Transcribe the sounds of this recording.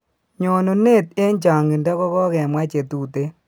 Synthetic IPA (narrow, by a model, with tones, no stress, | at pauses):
ɲɔ˨no˨ne˦˨te˦ɲt͡ʃa˨ŋi˨nda˦kɔ˦kɔ˦kɛ˨mwa˦t͡ʃe˨tu˨te˦